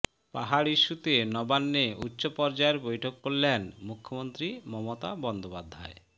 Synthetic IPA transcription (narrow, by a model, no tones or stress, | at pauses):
pa̰ɦaɾiʃːut̪enɔbanːeutːɕopɔɾd͡ʑaeɾbojʈʰokːoɭlenmukʰːomont̪ɾimɔmot̪a̰bɔnd̪opad̪ʱːa̰e